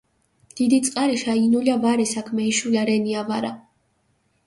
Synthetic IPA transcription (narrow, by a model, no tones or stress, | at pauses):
d̪̥id̪it̪sʼqʼaɾiʃainuliavaɾɛsakʰmɛiʃulaɾɛniavaɾa